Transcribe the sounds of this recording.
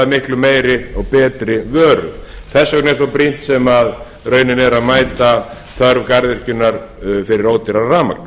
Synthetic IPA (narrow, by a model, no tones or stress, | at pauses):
mɪhklʏmeːjɾɪɔɣpɛːt̪ɾɪvœːɾʏ̰θɛsːœknɛsɔpɾin̥t̪sɛmað | ɾœːɥnɪnɛɾaðmaːjt̪a | θʰœɾvkaɾðɪr̥cʏnːaɾ̥fɪɾɪɾoːwt̪ɪɾaraːma̰kn